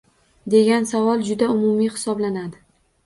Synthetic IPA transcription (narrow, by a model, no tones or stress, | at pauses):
d̪e̞ɡʲansavɒlˠd͡ʒʊd̪aʊmʊmijχɪ̥sɒblanad̪ɪ